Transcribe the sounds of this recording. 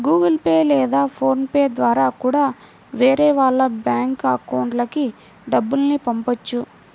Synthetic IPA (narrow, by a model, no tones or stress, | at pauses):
ɡuːɡɐlpeːlɛːd̪aːpʰo̞ːnpeːd̪ʋaːɾaːkuːɽaː | ʋeːɾeːʋaːɭːɐbjaːŋkɐkɐwuɳʈlɐki | ɖɐbːulnipɐmpɐt͡ʃːu